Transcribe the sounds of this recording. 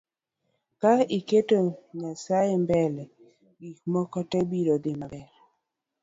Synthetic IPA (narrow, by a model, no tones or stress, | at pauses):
kaiketoɲasajembɛlɛ | ɡikmɔkɔtɛbiɾod̪ɪmabɛɾ